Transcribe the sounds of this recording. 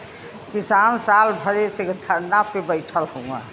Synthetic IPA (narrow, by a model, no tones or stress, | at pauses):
kisansalbʱəɾesekd̪ʱəɾnapebəjʈʰəlɦõã̰